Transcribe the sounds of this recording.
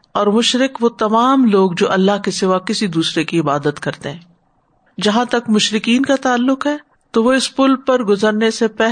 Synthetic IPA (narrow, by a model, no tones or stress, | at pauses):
ɔːɾmʊʃɾɪkʋot̪ɐmaːmloːɡd͡ʒoːʔɐlːaɦkisɪʋakɪsid̪uːsɾekiɪbaːd̪ət̪kɐɾt̪eɦɛ̃ː | d͡ʒɐɦãt̪ɐkmʊʃɾɪkiːnkat̪aːlːʊqɦɛː | t̪oʋoɪspʊlpɐɾɡʊzəɾnesepɛɦ